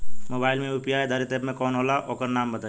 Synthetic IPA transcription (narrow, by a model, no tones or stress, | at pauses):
moːbaːɪlmẽupijaːed̪ʱaːɾit̪eːpmẽkɔːnɦoːlaʔoːkəɾnaːmbɐt̪a